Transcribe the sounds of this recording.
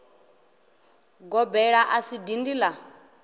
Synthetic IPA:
ɡɔbɛɺaʔasidindiːla

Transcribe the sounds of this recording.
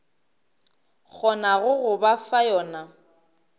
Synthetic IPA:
k͡xʰɔnaɣʊɣʊbafajɔːna

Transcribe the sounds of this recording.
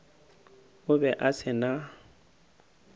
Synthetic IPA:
ʊbɛʔasɪna

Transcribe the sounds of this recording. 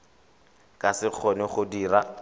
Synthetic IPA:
kʼasɪk͡xʰɔnɪχʊdiːra

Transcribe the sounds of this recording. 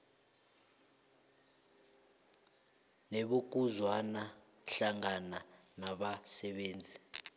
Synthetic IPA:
neɓok̬uzwana | ɬaŋana | naɓasɛɓeːnd͡zʱi

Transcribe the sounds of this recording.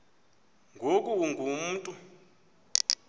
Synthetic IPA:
ŋɡʱokʼuŋɡʱum̩ːtʼu

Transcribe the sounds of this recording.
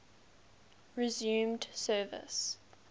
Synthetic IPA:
ɹɪzjʉ̃ːmdsɜːvə̰s

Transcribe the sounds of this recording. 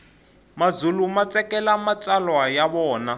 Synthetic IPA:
mad͡zulumat͡sɛkɛlamat͡salwajaβɔːna

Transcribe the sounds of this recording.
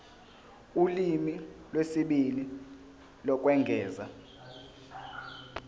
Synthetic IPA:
ulimilwesiɓili | lɔk̬ʼwɛŋɡʱɛːza

